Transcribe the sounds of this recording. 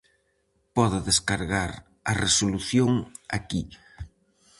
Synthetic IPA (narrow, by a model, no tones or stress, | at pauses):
pɔðʊðeskaɾɣaɾ | ɐresoluθjoŋa̰ki